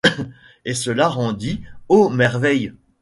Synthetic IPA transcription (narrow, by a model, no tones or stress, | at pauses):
esəlaʁɑ̃d̪iomɛʁvɛj